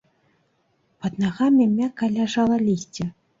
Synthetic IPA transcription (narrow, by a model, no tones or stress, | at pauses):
pɐd̪naɣamʲimʲakalʲaʐalˠɐlʲisʲt͡sʲɛ